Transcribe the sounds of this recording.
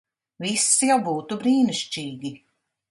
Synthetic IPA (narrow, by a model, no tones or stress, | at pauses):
visjawbuːt̪ubɾiːniʃt͡ʃiːɡʲi